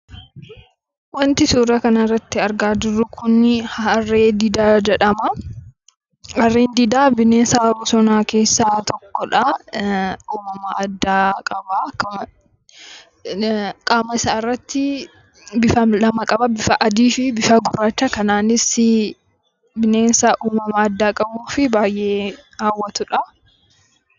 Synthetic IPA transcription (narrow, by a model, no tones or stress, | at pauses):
wɐnt̪ɪsuːɾɐkɐnɐrːɐt̪ːɪɐɾɡaːd͡ʒɪrːʊkʰʊnːɪhɐrːeːd̪ɪd̪aːd͡ʒɛᶑɐmɐ | ɐrːeːnd̪ɪd̪aːbɪneːsaːbʊsɔnaːke̞ːsːaːt̪ʰɔkːɔᶑɐ | uːmɐmaʔɐd̪ːaːkʼɐbɐkɐ | kʼaːmɐɪsaːɪrːɐt̪ːɪ | bɪfɐlɐmɐkʼɐbɐbɪfɐʔɐd̪iːfɪbɪfɐɡʊrːaːt͡ʃːɐkɐnaːnɪsɪ | bɪne̞ːnsaʔuːmɐmɐːd̪ːaːkʼɐbuːfɪbaːjʔe̞ːaːwːɐt̪ʊᶑɐ